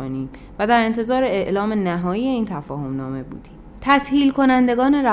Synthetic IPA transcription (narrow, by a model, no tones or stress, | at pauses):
oniːm | væd̪æɾe̞nt̪ʰe̞zɒːɾeeʔlɒːmenæɦɒːjiːje̞iːnt̪ʰæfɒːho̞mnɒːme̞bṵːd̪̥i | t̪ʰæshiːlkʰo̞nænd̪e̞ɡɒːne̞ɾæ